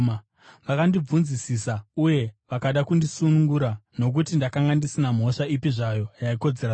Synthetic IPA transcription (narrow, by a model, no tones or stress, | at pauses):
ʋakandib͡vunzisisauje̞ʋakaɗakundisunuŋɡuɾano̞k̬utindakaŋɡandisinam̤o̞ʂaipiʐajo̞jaiko̞d͡zeɾa